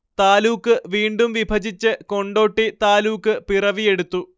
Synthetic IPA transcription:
t̪aːluːkːɨʋiːɳɖumʋibʱɐd͡ʑit͡ɕːɨko̞ɳɖo̞ːʈːit̪aːluːkːɨpirɐʋije̞ɽut̪ːu

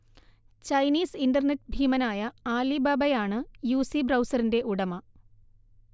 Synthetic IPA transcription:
t͡ɕɐjniːsindɐrnetːbʱiːmɐnaːjɐaːlibaːbɐjaːɳɨjuːsibrɐwsɐrinde̞ʔuɽɐmɐ

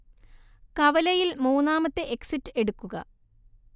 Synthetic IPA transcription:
kɐʋɐlɐjilmuːnːaːmɐt̪ːeʔeksitːɨe̞ɽukːuɣɐ̰

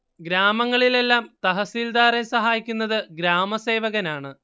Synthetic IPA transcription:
ɡɾaːmɐŋːɐɭile̞lːaːmt̪ɐɦɐsiːld̪aːɾesɐɦaːjikʲːunːɐðɨɡɾaːmɐse̞ːʋɐɣɐnaːɳɨ

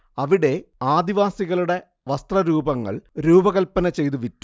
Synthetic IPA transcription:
ɐʋiɽe̞aːd̪iʋaːsiɣɐɭuɽe̞ | ʋɐst̪rɐɾuːbɐŋːɐ̰ɭɾuːbɐɣɐlpːɐnɐt͡ɕe̞jt̪uʋitːu̥

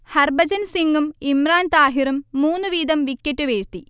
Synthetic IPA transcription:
hɐrbɐd͡ʑɐnsiŋɡumimraːnt̪aːɦirumːuːnːuʋiːd̪ɐmʋikʲːɐtːuʋeːɻt̪i

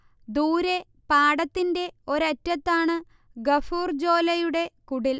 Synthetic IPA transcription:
d̪uːɾe̞ | paːɽɐt̪ːinde̞o̞ɾɐtːɐt̪ːaːɳɨ | ɡɐfuːrd͡ʑo̞ːlɐjuɽe̞kuɽil

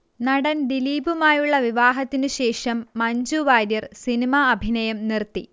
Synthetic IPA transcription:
nɐɽɐnd̪iliːbumaːjuɭːɐʋiʋaːɦɐt̪ːinɨɕe̞ːʂɐmːɐɲd͡ʑuʋaːɾjɐrsinimaɐbʱinɐjɐmnirt̪ːi

